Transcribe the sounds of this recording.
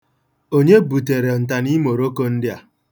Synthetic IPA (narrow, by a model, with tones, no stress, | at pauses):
o˦ɲe˦bu˨te˨ɾe˨n̩˨ta˨ni˦mo˨ɾo˦ko˦n̩˦dɪ˦a˨